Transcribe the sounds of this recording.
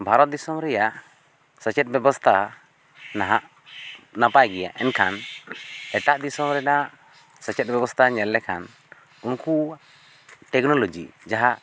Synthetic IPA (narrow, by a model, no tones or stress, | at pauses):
bʱaɾɔt̪̚d̪isɔmɾɛjaʔ | sət͡ʃɛt̪̚bɛbɔst̪ʰa | naɦaʔ | napajɡɛja̰ʔɛnkʰan | ɛʈaʔd̪isɔmɾɛɖaʔ | sət͡ʃɛt̪̚bɛbɔst̪ʰaɲɛlːɛkʰan | unku | ʈɛknɔlod͡ʒḭd͡ʒaɦaʔ